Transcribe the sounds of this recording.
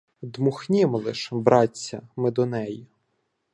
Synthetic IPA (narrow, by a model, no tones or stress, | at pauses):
d̪mʊxnʲɪmɔlˠɪʃbɾɑɐmɪd̪ɔnɛji